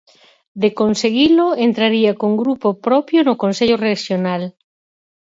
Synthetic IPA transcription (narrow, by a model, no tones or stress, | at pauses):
d̪ekonseɣiloent̪ɾaɾiakoŋɡɾupopɾɔpjonʊkonseʎoreʃjonal